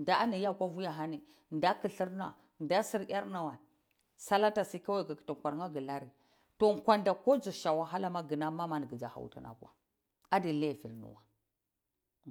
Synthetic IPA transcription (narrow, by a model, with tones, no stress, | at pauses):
nda˨a˦ni˨ja˦kʷa˦vu˦ja˨ɦa˦ni˨ | nda˦ki˨ɬi˦ɾna̰˨ | nda˦si˦˨ɾja˦ɾna˨wa˨ | sa˦la˦ta˨si˦ka˦wa˨ka˨ki̥˨ta˨kʷa˨ɾŋa˦ɡə˨la˦ɾi˨ | to˨ŋkʷa˦nda˨ko˦d͡ʒu˨ʃa˨wa˨ɦa˦la˦ma˦ɡə˨na˦ma˦ma˨n˨ɡə˨d͡ʒa˨ha̰˨wṵ˨ta̰˨na̰˨kʷa̰˨ | a˦di˨le˦˨fi˨ɾnṵ˨wa˨